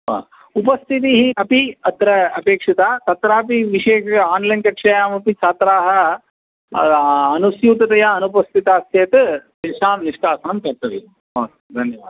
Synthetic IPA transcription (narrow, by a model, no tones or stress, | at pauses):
a̰ː | upɐst̪ʰit̪iɦiɐpiɐt̪ɾɐɐpeːkʂɐt̪aːt̪ɐt̪ɾaːpiʋiʂeːʃaːnlɐjnkɐkʂɐjaːmɐpit͡ʃaːt̪ɾaːɦɐ | ɐnusjuːt̪ɐt̪ɐjaɐnupɐst̪ʰit̪aːsjɐt̪pinʂaːnniʂʈaːsɐnɐmkɐɾt̪ɐʋi | ɐː | d̪ʱɐnjɐʋaːd̪